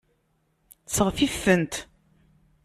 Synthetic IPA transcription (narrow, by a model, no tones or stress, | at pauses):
səʁfifːənt̪